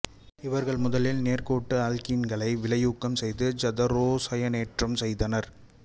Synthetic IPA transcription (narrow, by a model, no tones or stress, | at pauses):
ɪʋɐɾɣɐɭmʊðɐlɪlneːɾkoːʈːɯaːlkɪnɡɐɭɐɪʋɪɭɐjuːkːɐmsɛjðɯd͡ʒɐd̪ɐɾoːsɐjɐneːʈrɐmsɛjðɐnɐɾ